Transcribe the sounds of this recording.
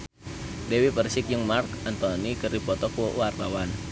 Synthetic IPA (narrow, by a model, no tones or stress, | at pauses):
dewipərsɪk̚jʊŋmarkant̪ɔnikɨrdipɔt̪ɔkɔwart̪awan